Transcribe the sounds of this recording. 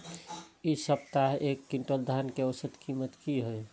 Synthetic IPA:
isəb̚t̪aɦekːiɳʈod̪ʱankeəwəsət̪kimət̪kiɦoj

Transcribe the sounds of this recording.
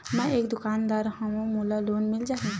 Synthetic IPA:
mɛ̃eːkd̪ʊkaːnd̪aːɾɦɐ̃õmuːlaloːnmɪld͡ʒaːɦẽ

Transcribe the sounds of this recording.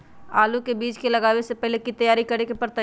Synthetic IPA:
aːlukebiːt͡ʃkelɐɡaːwesepɛɦlekit̪ɐjaːɾikɐɾekepɐɾt̪ɐ

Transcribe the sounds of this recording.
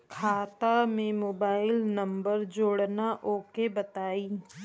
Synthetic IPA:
kʰaːt̪amẽmoːbaːɪlnɐ̃mbəɾd͡ʒoːɽnaʔoːkebɐt̪aːiː

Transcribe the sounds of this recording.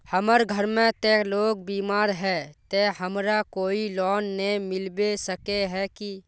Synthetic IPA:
həməɾɡʱəɾmẽt̪eloːɡ̚biːmaːɾɦɛt̪ehəmɾakoːilɔːnːemɪlbesəkeɦɛki

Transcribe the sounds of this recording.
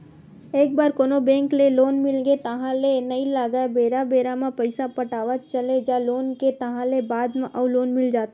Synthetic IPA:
eːk̚baːɾkoːnobɛ̃ːŋkleloːnmɪlɡet̪əɦãlenəilaːɡabeːɾabeːɾamẽpəɪsapəʈaːʋət̪̚t͡ʃəled͡ʒaloːnket̪əɦãlebaːd̪mẽʔəʊloːnmɪld͡ʒaːt̪

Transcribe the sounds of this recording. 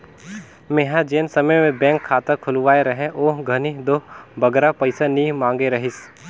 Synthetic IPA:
meːɦad͡ʒeːnsɐməjmẽbɛ̃ːŋkʰːaːt̪ɐkʰʊlʋaːeɾɐɦẽʔoːɦɡʱɐnid̪oːbʱɐɡɾapɐɪsanimãːŋɡeɾɐɦɪs

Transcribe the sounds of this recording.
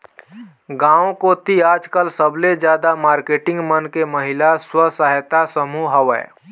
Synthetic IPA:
ɡãːõkot̪iaːd͡ʒkəlsəbled͡ʒjaːd̪amaːɾkeːʈɪ̃ŋɡmənkeməɦɪlaswəsəɦjt̪asəmuɦəʋɛ̰ː

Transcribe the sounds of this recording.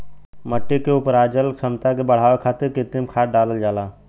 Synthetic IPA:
məʈːikeʊpəɾaːd͡ʒəlkʃʰəmt̪akebəɽ̤aːʋekʰaːt̪ekɪt̪imkʰaːʈ̚ɖaːləld͡ʒaːlaː

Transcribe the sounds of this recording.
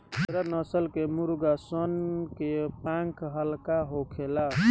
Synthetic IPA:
ɾənəsəlkemuɾɡasənkepãŋkɦəlkaɦokʰela

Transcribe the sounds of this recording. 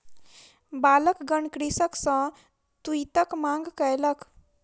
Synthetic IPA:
baləkɡəɳkɾisəksə̃ | t̪uit̪əkmãŋɡkəjlək

